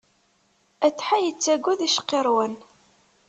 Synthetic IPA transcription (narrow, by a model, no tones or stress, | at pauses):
æt͡sːħajət͡sːæɡʷːæðiʃqːeɾˤwən